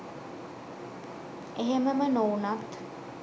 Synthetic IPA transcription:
eɦeməmənoːnat̪

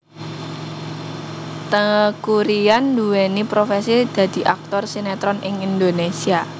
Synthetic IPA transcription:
t̪əŋəkuɾijanduwenipɾofesid̪̥ä̤d̪̥i̤ʔak̚t̪ɔrsinɛt̪ɾɔnɪŋind̪onesia

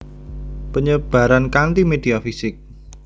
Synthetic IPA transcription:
pəɲəb̥a̤ɾankant̪imed̥̪iafisɪk̚

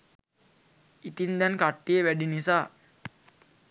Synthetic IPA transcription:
it̪ind̪ɛnkaʈːijeʋæɖinisaː

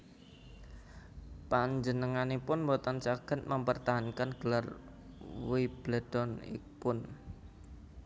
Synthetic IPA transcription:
paɲd͡ʒənəŋanepʊnmbɔt̪ɔnt͡ʃaɡ̥ə̤t̪̚məmpərt̪aɦankənɡ̥əlar | wib̥lad̪̥ɔnḭ | pʊn

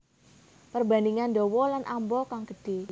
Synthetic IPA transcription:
pərbaniŋanɖɔwɔlanʔambɔkaŋɡ̥əɖ̥e̤

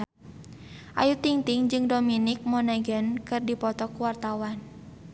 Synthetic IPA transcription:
ʔa̰jut̪iŋt̪ɪŋd͡ʒɨŋdominɪk̚monaɡankɨrdipɔt̪ɔkuwart̪awan

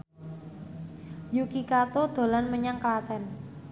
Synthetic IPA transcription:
jukikat̪od̪̥o̤lanməɲaŋklat̪ɛn

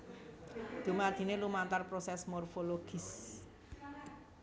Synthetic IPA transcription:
d̪̥ṳmad̪̥i̤nelumant̪arpɾosɛsmorfoloɡ̥i̤s

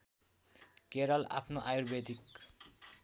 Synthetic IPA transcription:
keɾɔla̰pʰnoʔajuɾbet̪ik

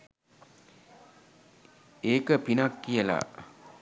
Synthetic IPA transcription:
eːkəpinakːijəla̰

